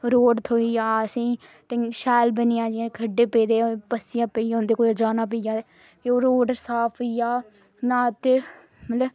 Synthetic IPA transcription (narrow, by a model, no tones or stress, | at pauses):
ɾoːɖt̪ʰoːijaːəsĩː | ʈɪʃɛːlbənɪjãːd͡ʒiãːkʰəɖːeːpeːd̪eːpəsɪjãːpəijãʊnd̪eːkoːd͡ʒaːnãːp̬əjaː | oːɾoːɖsaːpʰːijaː | nãːt̪e | mət̪lə